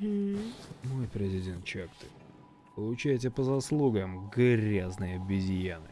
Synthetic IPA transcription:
mo̞jpɾʲɪzʲɪdʲe̞nt̪̚t͡ɕakt̪ɨ̥ | pəlˠʊt͡ɕæjtʲɪpəzɐslˠuɡəmɡɾʲaznɨjəbʲɪzʲjanɨ

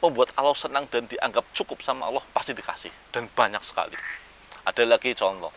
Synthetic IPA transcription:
məmbuat̪̚alawsənaŋd̥and̥iʔaŋɡap̚t͡ʃukʊp̚samaʔa̰lɔhpasidika̰sɪ̰hd̥anb̥aɲak̚sə̥ka̰lḭ | ʔad̥alaɡ̥it͡ʃɔnlɔ̰

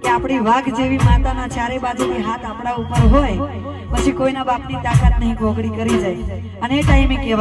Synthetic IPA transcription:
keapɽ̃iʋaɡd͡ʒeʋimãnd̪anat͡ʃjaɾebad͡ʒuniɦat̪apɳ̃aupəɾɦoj | pət͡ʃʰikoinabapnit̪akat̪nəɦĩɡʱoɡɽikəɾid͡ʒaj | əneeʈaimekeʋ

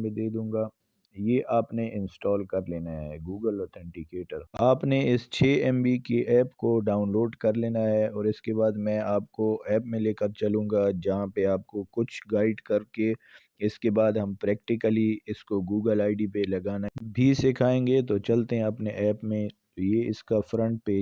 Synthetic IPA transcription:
bẽd̪eːd̪ũːŋɡaː | jeːʔaːpneʔɪ̃nsʈɔːlkɐɾleːnaɦɛːɡuːɡəlɔːt̪ʰɛ̃ɳʈɪkeːʈəɾaːpneɪst͡ʃʰeːɛmbikeʔɛːpkoɖaːʊnloːɖkɐɾleːnaɦɛɔːɾɪskebaːd̪mɛ̃aːpkoɛːpmẽleːkəɾt͡ʃɐlũːŋɡad͡ʒɐɦãpeaːp̚kokʊt͡ʃʰɡaːɪɖkɐɾke | ɪskebaːd̪ɦɐmpɾɛːkʈɪkəliɪskoɡuːɡəlaːɪɖipelɐɡaːnabʱisɪkʰaːẽːŋɡet̪ot͡ʃɐlt̪eɦɛ̃ɐpneʔɛːpmẽ | jeɪskafɾə̃ɳʈ̚peː

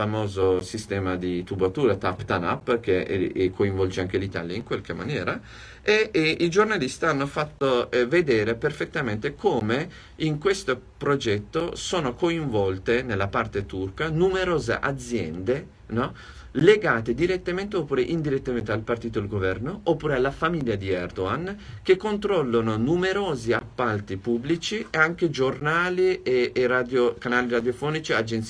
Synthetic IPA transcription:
amoːzosist̪ɛːmad̪it̪ubat̪uːɾat̪apt̪ana̰pːk̟ḛkʰːoiɱvɔld͡ʒeaŋk̟elit̪a̰ljaiŋkwalk̟emːa̰njɛːɾa | eid͡ʒornalist̪ianːofat̪ːoɛved̪ɛːɾeperfet̪ːament̪ekʰoːme | iŋkwest̪opɾod͡ʒɛt̪ːosoːnokoiɱvɔlt̪enelːapart̪et̪urkanumeɾoːzḛʔa̰d̪zjɛ̰nd̪e | nɔ | leɡaːt̪ed̪iɾet̪ːament̪eopːuːɾeʔind̪iɾet̪ːament̪ealpart̪iːt̪oalɡovɛrnoʔopːuːɾealːafamiljad̪iɛrd̪oan | k̟ekːont̪ɾɔlːononumeɾoːziapːalt̪ipubːlit͡ʃieaŋk̟ed͡ʒornaːlieerad̪jokanaːliɾad̪jofɔːnit͡ʃiad͡ʒent̪s

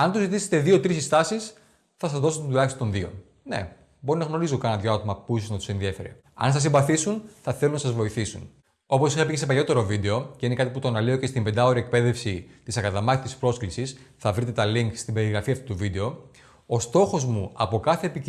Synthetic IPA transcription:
ɐnt̪uzit̪ise̥t̪e̞ðio̞t̪ɾisist̪ɐsis | θɐs̬ɐzðos̬t̪et̪ulɐçist̪ot̪o̞nðio̞̰ | ne̞̰ | bo̞ɾinɐɣno̞ɾizo̞kɐnɐðʝoɐt̪omɐpuisoznɐt̪u̥se̞nðie̞fe̞ɾḛ | ɐ̰nsɐsimbɐθisunθɐθelunɐsɐzvo̞iθisṵn | o̞po̞sixɐpicese̞pɐʎo̞t̪e̞ɾo̞vid̪e̞o̞ceinekɐt̪iput̪onɐleo̞ce̞st̪imbend̪ɐo̞ɾiek̚pe̞ðe̞fsit̪isɐkɐðɐmɐθit̪ispɾo̞sklisis | θɐvɾit̪̬e̞t̪ɐliŋkst̪ibe̞ɾiɣɾɐfiɐft̪ut̪uvid̪e̞o̞ | o̞st̪o̞xo̞zmuɐpo̞kɐθe̞ːpi

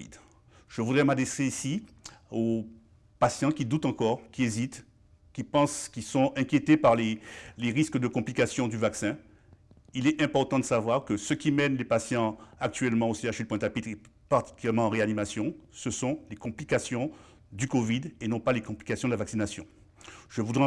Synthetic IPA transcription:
ḭd̪ | ʒ̥əvud̪ʁɛmad̪ʁɛseisi | o | pasjɑ̃kʲid̪ut̪ɑ̃kɔʁkʲiezit̪ | kʲipɑ̃skʲisɔ̃ʔɛ̃kʲjet̪epaʁleleʁiskəd̪əkɔ̃plikasjɔ̃d̪yvaksɛ̃ | ilɛʔɛ̃pɔʁt̪ɑ̃d̪əsavwaʁkəsəkʲimɛnlepasjɑ̃ak̚t̪ɥɛlmɑ̃oseaʃilpwɛ̃t̪apit̪χe | paʁt̪i̥kʲyljɛʁmɑ̃ːʁeanimasjɔ̃səsɔ̃lekɔ̃plikasjɔ̃ | d̪ykɔvid̪enɔ̃palekɔ̃plikasjɔ̃d̪əlavaksinasjɔ̃ | ʒ̥əvud̪ʁɛ

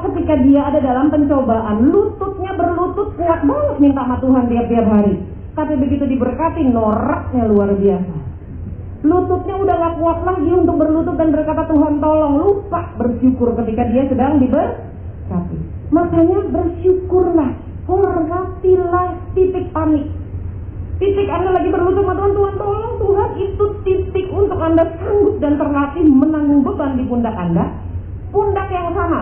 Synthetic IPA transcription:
kət̪ikadiaːdadalampəɲt͡ʃobaʔanlut̪ʊp̪̚ɲabərlut̪ʊt̪̚səŋatk̪̚baŋəsmint̪amat̪uɦant̪iap̚t̪iap̚ɦaɾi | t̪apibəɡit̪udibərkat̪inoɾak̚ɲaluarbiasa | lut̪ʊp̚ɲaudahŋakuat̪̚laɡiunt̪ʊk̚bərlut̪̬ʊp̚danbərkat̪at̪uɦant̪olɔŋlupaʔbərʃukʊrkət̪ikadiasədaŋdibər | kapḭmakaɲabərʃukʊrnah | hərlat̪ilaht̪it̪ɪk̚panɪk̚ | t̪it̪ɪkandalaɡibərlut̪ʊp̚mant̪uɦant̪uɦant̪olɔŋt̪uɦanit̪ut̪it̪ɪkunt̪ʊkandasəbʊt̪̚dant̪ərlat̪imənaŋuŋbəbandipundaka̰nda | pundakjaŋsana

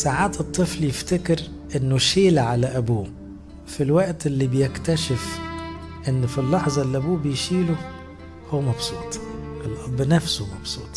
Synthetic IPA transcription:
saʕaːt̪ɨt̪ˤːɨfljeft̪ekɪɾ | ʔenːʊʃeːlʕalæʔæbuː | filwæʔt̪ʔelːiːbejekt̪æʃɪf | ʔenːfilːɑħzˤɑelːiʔæbuːbejʃiːlo | howːæmɑbsˤuːt̪ˤʔelʔɑbːnæfsomɑb̥sˤuːt̪ˤ

